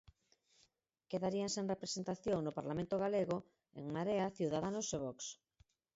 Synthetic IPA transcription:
keðaɾiaŋseŋrepɾesent̪aθjoŋnʊpaɾlamẽnt̪oɣ̞aleɣo | ḛŋmaɾeaθjuwðaðanoseβɔks

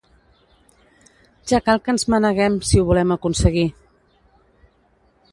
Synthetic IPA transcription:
ʒ̥akalˠkənzmənəɣɛmsiuβulɛməkunsəɣi

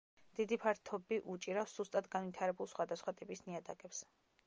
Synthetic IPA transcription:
d̪̥id̪ipʰaɾt̪ʰɔbiʔut͡ʃʼiɾafsz̥ust̪ʼad̪ɡanvit̪ʰaɾɛbulˠsχwad̪asχwat̪ʼipʼisniad̪akʼɛps

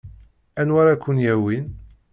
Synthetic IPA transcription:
ænwaɾakʷːʊnjæwin

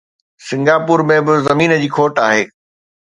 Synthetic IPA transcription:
sɪ̃ŋɡaːpuːɾmẽbɪzɐmiːnəd͡ʑiːkʰoːʈaːɦeː

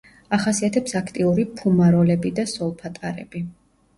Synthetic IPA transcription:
aχasiat̪ʰɛpsakʰt̪ʼiuɾipʰumaɾɔlɛbid̪asɔlˠpʰat̪ʼaɾɛ̰bi

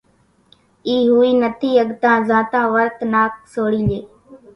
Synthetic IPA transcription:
iːɦuːiːnət̪ʰiːəɠt̪ãːzãːt̪ãːʋəɾt̪naːk̚soːɽiːleː

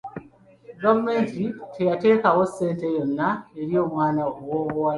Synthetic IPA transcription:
dommezitʰejate̞ːkawoseːntejonːaeɾijo̞mwaːnaowoɣowa

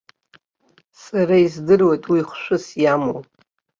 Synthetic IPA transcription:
saɾaizdɨrwe̞jtʼwiχʷʃʷᶣʊsjamo

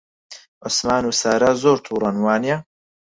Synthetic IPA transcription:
ʊsmaːnuːsɐɾɐzoːɾt̪ʰuːɾɐnwaːnijɐ

